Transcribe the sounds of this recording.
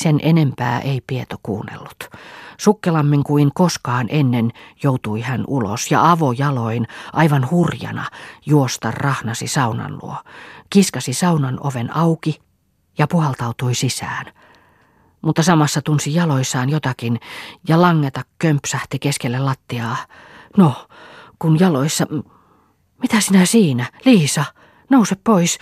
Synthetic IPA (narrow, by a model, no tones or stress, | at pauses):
senʔenempæ̰ːʔeipiet̪okṵːnːḛlːut̪sukːelɑmːiŋkuiŋkoskɑːnʔenːenjout̪uihænulo̰sjɑ̰ɑʋojɑloinʔɑiʋɑnhurjɑ̰nɑ̰juost̪ɑrrɑhnɑsisɑunɑ̰nlṵokiskɑsisɑunɑno̰ʋenɑuki | jɑpuhɑlt̪ɑut̪uisisæːn | mut̪ːɑsɑmɑsːɑt̪unsijɑloisːɑːnjot̪ɑkinjɑlɑŋːet̪ɑkkømpsæht̪ikeskelːelɑt̪ːiɑːno | kunjɑloisːɑ | mit̪æsinæsiːnæliːsɑ | nouseppois